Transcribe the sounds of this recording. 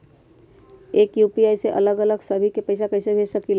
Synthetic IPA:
eːkjuːpiaːiseʔɐləɡələɡsəbʱikepɐɪsakɐɪsebʱeːt͡ʃsəkil

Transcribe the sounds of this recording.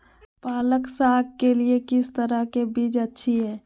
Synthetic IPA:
paːləksaːɡ̚keliekɪst̪əɾakebiːd͡ʒətːʃʰiɦɛː

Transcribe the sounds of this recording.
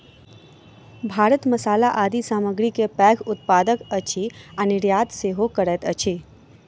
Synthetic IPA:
bʱaːɾət̪məsaːlaʔaːd̪isaːməɡɾikepɛːɡʰʊt̪̚paːd̪əkət͡ʃʰianɪɾjaːd̪seɦokəɾɛt̪ət͡ʃʰi

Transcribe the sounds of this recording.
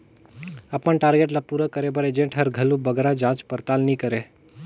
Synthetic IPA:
əpənʈaːɾɡeːʈlapuɾəkəɾebəɾed͡ʒẽɳʈɦəɾɡʱəlubəɡɾad͡ʒãːt͡ʃpəɾt̪aːlnĩkəɾe

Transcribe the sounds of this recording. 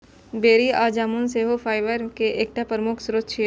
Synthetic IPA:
beːɾiaːd͡ʒaːmunseɦofʰaːɪʋəɾkeʔeːk̚ʈapɾəmʊkʰsʊɾət̪ːʃe

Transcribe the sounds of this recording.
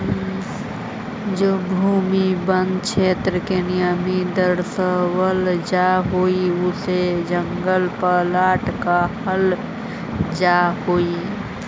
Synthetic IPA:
d͡ʒobʱuːmibənd̪t͡ʃʰeːt̪ɾəkenijəmid̪əɾsəwəld͡ʒaɦoiʊsed͡ʒəŋɡəlpəlaːʈkahəl | d͡ʒaɦoi

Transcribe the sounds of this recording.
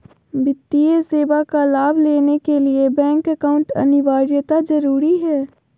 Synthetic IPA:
bɪt̪ːijeseːbakalaːbʱleːnekeliebɛ̃ːŋkɛkaʊ̃ɳʈɐ̰nɪʋaːɾjət̪ad͡ʒɐɾuːɾiɦɛː

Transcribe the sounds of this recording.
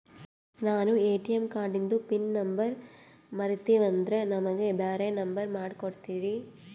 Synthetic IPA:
naːnueːʈijɐmkaːɾɖind̪upinnɐmbɐɾ | mɐɾit̪iːʋɐnd̪ɾɐnɐmɐɡebaːɾenɐmbɐɾmaːɽkoɽt̪iːɾi

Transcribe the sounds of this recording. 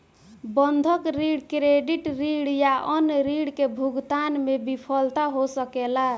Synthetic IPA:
bənd̪ʱəkɾiɽkɾeɖiʈɾiɽjaʔənɾiɽkebʱuɡt̪anmebipʰəlt̪aɦosəkela

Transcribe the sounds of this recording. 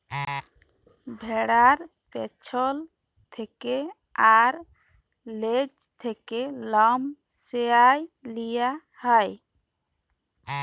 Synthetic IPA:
bʱeɽaɾ | pet͡ʃʰɔl | t̪ʰeke | aɾ | led͡ʒ | t̪ʰekelɔm | seajlija | hɔj

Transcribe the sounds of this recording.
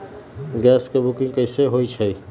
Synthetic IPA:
ɡɛskebukĩŋɡkəɪseɦojt͡ʃʰəj

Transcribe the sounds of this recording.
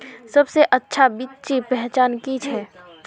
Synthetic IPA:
sɐbseʔɐtːʃʰabitːt͡ʃipɛɦt͡ʃaːnkit͡ʃʰɛː

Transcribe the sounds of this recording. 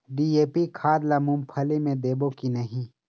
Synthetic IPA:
ɖieːpikʰaːd̪lɐmũmpʰɐlimẽd̪eːbokinɐɦĩ

